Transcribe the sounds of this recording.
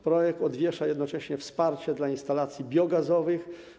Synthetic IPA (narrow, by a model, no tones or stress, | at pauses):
pɾɔjɛk̚t̪ɔd̪vʲjɛʂajɛd̪nɔt͡ʂɛɕɲɛfspaɾt͡ɕɛd̪lainst̪alat̪sʲjibʲjɔɡazɔvɘx